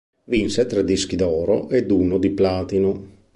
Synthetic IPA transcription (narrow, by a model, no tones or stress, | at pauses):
vinset̪ɾɛd̪ːisk̟id̪ɔːɾo̰ʔed̪uːnod̪iplaːt̪ino